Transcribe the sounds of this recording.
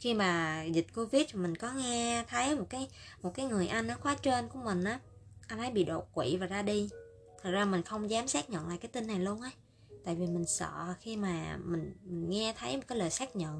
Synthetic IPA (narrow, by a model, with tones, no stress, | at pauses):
xi˧maː˨˩zï˨˩t̚ko˧vi˦˥t̚vaː˨˩mï˨˩ŋ̟kɔ˨˦ŋɛ˧t̪ʰə˨˦jmo˨˩t̚kaː˨˦jmo˨˩t̚kaː˨˦jŋɨ˨˩əjʔa˧jŋnɔ˨˦xwaː˨˦t͡ɕe˧nku˧˩əmï˨˩ŋ̟ʔaː˨˦ʔa˧jnt̪ʰə˨˦jɓḭ˧˨ɗo˨˩t̚kwḭ˧˨vaː˨˩zaː˧ɗi˧ | t̪ʰə˨˩k̚zaː˧mï˨˩ŋ̟xə˧wŋ͡mzaː˨˦msaː˦˥k̚ɲə̰˧˨nla̰ː˧˨jkaː˨˦jt̪i˧nːa˨˩jlu˧ənʔa˨˦j | t̪a̰ː˧˨jvi˨˩mï˨˩ŋ̟sə̰˧˨xi˧maː˨˩mï˨˩ŋ̟mï˨˩ŋ̟ŋɛ˧t̪ʰə˨˦jmo˨˩t̚kaː˨˦ləː˨˩jsaː˦˥k̚ɲə̰˧˨n